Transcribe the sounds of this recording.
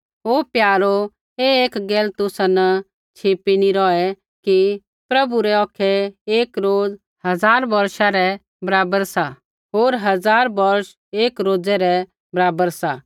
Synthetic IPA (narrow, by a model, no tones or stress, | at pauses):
ɦoːpjaːɾo | eeːkɡeːlt̪ʊsanə | t͡ʃʰeːpiniɾɔɛ | ki | pɾɐbuɾɛɔːkʰɛeːkɾoːd͡z | hɐd͡zaːɾbɐɾʃaɾɛ | bɐɾaːbəɾsa | ɦoːɾɦɐd͡zaːɾbɐɾʃ | eːkɾoːd͡zɛɾɛ | bɐɾaːbəɾsa